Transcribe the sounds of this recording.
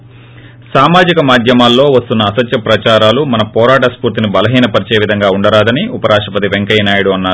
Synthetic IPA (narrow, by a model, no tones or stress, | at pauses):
saːmaːd͡ʒikɐmaːd̪ʱjɐmaːlːo̞ːʋɐst̪unːɐːsɐt̪jɐpɾɐt͡ʃaːɾaːlumɐnɐpɔːɾaːʈɐspuːɾt̪inibɐlɐɦiːnɐpɐɾit͡ʃe̞ːʋid̪ʱɐŋɡaːuɳɖɐɾaːd̪ɐniupɐɾaːʂʈɐpɐt̪iʋeŋkɐjɐnaːjɐɽuɐnːaːɾu